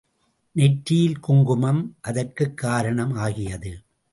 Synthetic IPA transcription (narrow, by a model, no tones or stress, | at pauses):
nɛʈɾɪjɪlkʊŋɡʊmɐmʔɐðɐrkɯkːaːɾɐɳɐmaːɣɪjɐðɯ